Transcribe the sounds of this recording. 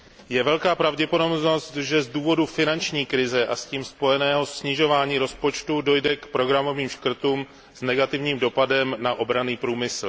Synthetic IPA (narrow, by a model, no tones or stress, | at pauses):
jɛvɛlkaːpɾavɟɛpodo̞bno̞st̪ʒɛzduːvo̞dufɪnant͡ʃɲiːkɾɪzɛʔasciːmspo̞jɛnɛːɦo̞sɲɪʒo̞vaːɲiːɾo̞spo̞t͡ʃt̪udo̞jdɛkpɾo̞ɡɾamo̞viːmʃkr̩t̪uːm | znɛɡat̪ɪvɲiːmdo̞padɛmnaʔo̞bɾaniːpɾuːmɪsl̩